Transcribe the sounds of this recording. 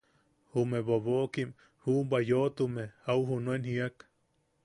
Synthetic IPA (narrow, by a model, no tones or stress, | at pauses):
humeboβoʔkim | huʔmbajoʔt̪umeauɦunuenhiak